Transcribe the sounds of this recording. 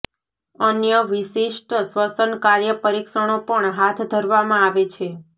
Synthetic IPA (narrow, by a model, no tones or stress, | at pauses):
ənjəʋiʃiʃʈsʋəsənkaɾjəpəɾikʃəɳ̃opəɳɦat̪ʰd̪ʱəɾʋamãaʋet͡ʃʰe